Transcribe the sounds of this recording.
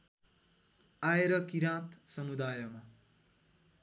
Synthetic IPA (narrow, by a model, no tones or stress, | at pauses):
aeɾʌkiɾãt̪sʌmud̪aːjʌma